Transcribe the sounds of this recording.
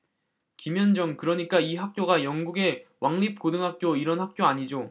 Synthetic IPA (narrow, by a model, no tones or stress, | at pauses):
kimjʌnd͡ʑʌŋkɯɾʌɲik͈aiɦak̚k͈joɡajʌŋɡuɡe̞wʔaŋʎip̚kodɯŋɦak̚k͈joiɾʌnhak̚k͈joaɲid͡ʑo